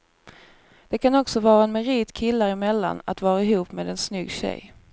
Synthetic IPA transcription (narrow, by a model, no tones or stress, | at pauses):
d̪̥ɛkʰanɔksɔvɑːɾaɛnmɛɾiːt̪kʰɪlːaɾɪmɛlːa̰na̰t̪vɑːɾaɪɦuːpmeːd̪ɛnsnʏɡːɕɛ̰j